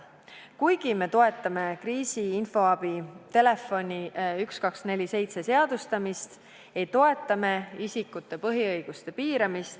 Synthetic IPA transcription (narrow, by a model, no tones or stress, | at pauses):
kujɡ̥ime̞t̪o̞e̞t̪ːˑɑme̞kriːsiinfo̞ɑb̥it̪e̞le̞fo̞nʲiykskɑksne̞lʲise̞jt̪se̞se̞ɑd̪̥ust̪ɑmist̪ | ejt̪o̞e̞t̪ːˑɑme̞isikːˑut̪ːˑe̞pɤɦiɤjɡ̥ust̪e̞piːɾɑmist̪